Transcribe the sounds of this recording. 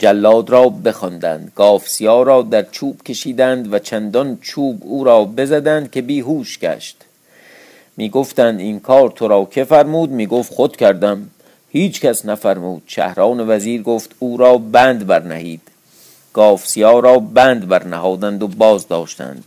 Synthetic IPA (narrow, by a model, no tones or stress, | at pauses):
d͡ʒælːɒːd̪ɾɒːbe̞xɒnd̪æ̰nd̪̥ɡ̥ɒːfsijɒːɾɒːd̪æɾt͡ʃʰuːb̥cʲʰe̞ʃiːd̪ænd̪væt͡ʃʰænd̪ɒnt͡ʃʰuːbuːɾɒːbe̞zæd̪ænd̪̚kʰʲe̞biːɦuːʃɡæ̰ʃt̪ | miːɡoft̪ænd̪inkʰɒːɾt̪ʰoɾɒːkʰe̞fæɾmuːd̪miːɡoft̪xod̪kʰʲæɾd̪æm | hiːt͡ʃʰcʰæsnæfæɾmuːd̪̥ʃæ̰hɾɒːnevæziːɾɡoːft̪uːɾɒːbæːnd̪bæɾnæ̰hiːd̪̥ | ɡ̥ɒːfsijɒːɾɒːbæːnd̪bæɾnæhɒːd̪ænd̪obɒːzd̪ɒːʃt̪æ̰nd̪̥